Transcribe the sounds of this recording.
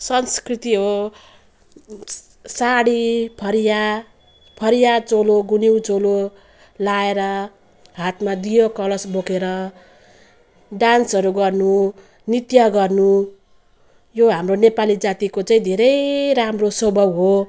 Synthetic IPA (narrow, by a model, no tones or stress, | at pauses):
sʌnskrit̪iɦo | saɽipʰʌɾja | pʰʌɾijat͡soloɡuniwd͡zolo | laeɾʌ | ɦat̪mad̪ijokʌlʌsbokeɾʌ | ɖansʌɾuɡʌrnu | nit̪jʌɡʌrnu | joɦamronepalid͡zat̪ikot͡saĩd̪ʱeɾʌjɾamrosobʱʌbɦo